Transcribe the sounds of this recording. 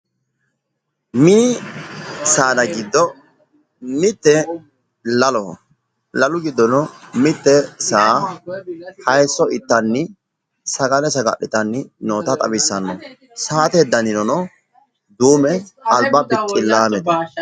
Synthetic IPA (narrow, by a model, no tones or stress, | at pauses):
miː | saːd̪ɐɡɪd̪ːɔ | mɪt̪ːɛ | lɐlɔ | lɐlʊɡɪd̪ːɔnɔmɪt̪ːɛsaː | hɐjsːɔɪt̪ːɐnːɪ | sɐɡɐlɛsɐɡɐ̰ɗɪt̪ʼɐnːɪnoːt̪ɐt̪ʼɐ̰wɪsːɐnːɔ | saːt̪ɛːd̪ːɐnɪnɔnɔ | d̪uːmɛɐlbɐbɪtʼːɪlːaːmɛt̪ɐ